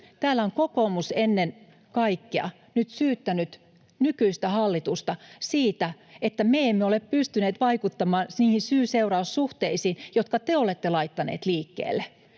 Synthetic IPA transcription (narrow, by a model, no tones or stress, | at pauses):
t̪æːlːæoŋkokomusenːen | kɑikːeɑ̰ | nyt̪syːt̪ːænyt̪ | nykyist̪æhɑlːit̪ust̪ɑsiːt̪æet̪ːæmeemːeoleppyst̪yneːt̪ʋɑikut̪ːɑmɑːnniːhinsyːseurɑussuht̪eisiːnjot̪kɑt̪eolet̪ːelɑit̪ːɑnḛːt̪liːkːḛːlːe